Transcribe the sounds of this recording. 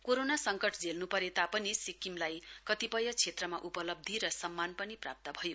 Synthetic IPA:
koɾonasʌŋkʌʈʰd͡zelnupʌɾet̪apʌnisikimlajkʌt̪ipʌjʌt͡sʰet̪rʌmaʔupʌlʌb̚d̪ʱiɾʌsʌmːanpʌnipra̰p̚t̪ʌbʱʌjo

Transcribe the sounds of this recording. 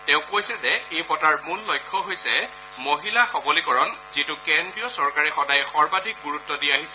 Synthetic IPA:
tɛʊ̃kojsɛzɛejpɔtaɹmullojkʰːɔɦojsɛ | moɦilaxɔbɔlikɔɹɔnzitʊkendɹiɔsɔɹkaɹɛxɔdajxɔɹbadʱik̚ɡuɹutːɔdiaɦisɛ

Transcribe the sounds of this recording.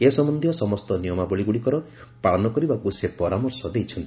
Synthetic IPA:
esɔmɔnd̪ʱjɔsɔmɔst̪ɔnijɔmabɔɭiɡuɽikɔɾɔ | paɭɔnɔkɔɾibakusepɔɾamɔɾsɔd̪ejt͡ʃʰɔnt̪i̥

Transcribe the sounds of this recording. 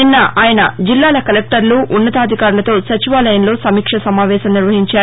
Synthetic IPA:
ninːɐʔaːjɐnɐd͡ʒilːaːlɐkɐlek̚ʈɐɾluʔunːɐt̪aːd̪ʱikaːɾulɐt̪o̞ːsɐt͡ʃiʋaːlɐjɐnlo̞ːsɐmiːkʂɐsɐmaːʋɛːʃɐmniɾʋɐɦiɲt͡ʃaː

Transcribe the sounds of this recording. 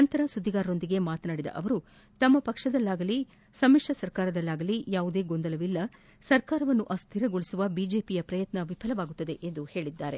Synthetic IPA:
ɐnt̪ɐɾɐsud̪ʱːiɡaːɾɾo̞nd̪iɡe̞maːt̪naːɽid̪ɐ̰ʔɐʋɐɾu | t̪ɐmːɐpɐkʂɐd̪ɐlːaːɡɐli | sɐmikʂɐsɐɾkaːɾɐd̪ɐlːaːɡɐlijaːʋud̪e̞ːɡo̞nd̪ɐlɐʋilːɐ | sɐɾkaːɾɐʋɐnːuʔɐst̪ʰiɾɐɡoɭisuʋɐbiːd͡ʒe̞ːpijɐpɾɐjɐt̪nɐʋipʰɐlɐʋaːɡut̪ːɐd̪e̞ʔend̪uhe̞ːɭid̪ːaːɾe̞

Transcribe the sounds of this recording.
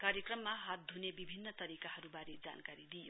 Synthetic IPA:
kaɾjekrʌmːaɦat̪̚d̪ʱunebibʱinːʌt̪ʌɾikaɦʌɾubaɾed͡za̰nkaɾid̪ijo

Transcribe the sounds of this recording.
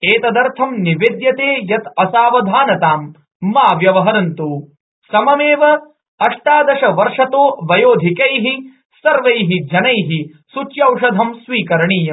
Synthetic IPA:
eːt̪ɐd̪ɐɾt̪ʰɐmniʋed̪jɐt̪eːjɐt̪ɐsaːʋɐd̪ʱaːnɐt̪aːmː | aːʋjɐʋɐɦɐɾɐnt̪uː | sɐmɐmeːʋɐ | ɐʂʈaːd̪ɐʂɐʋɐɾʂɐt̪oːʋɐjoːd̪ʱikɐjɦi | sɐɾʋɐjɦid͡ʒɐnɐjɦi | sut͡ʃjɐwʂɐd̪ʱɐmsʋiːkɐɾɐɳiːjɐm

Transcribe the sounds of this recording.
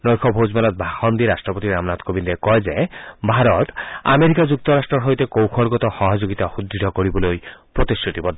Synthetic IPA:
nɔjkʰɔbʱod͡ʑmalɔt̪̚bʱaxʰɔnd̪iɾasʈɾɔpot̪iɾamnat̪kobind̪ekɔed͡ʒebʱaɾɔt̪a̰meɾikad͡ʒuk̚t̪ɔɾasʈɾɔɾɦojt̪ekowkʰɔlɡɔt̪ɔxɔɦɔd͡ʒoɡit̪ahud̪ʱːid̪ɔkoɾibɔlojpɾot̪isut̪ibɔd̪ʱ

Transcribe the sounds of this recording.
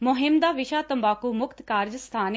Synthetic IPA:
mʊɦɪmd̪aːʋɪʃaːt̪əmbaːkuːmʊkt̪kaːɾd͡ʒst̪ʰaːn

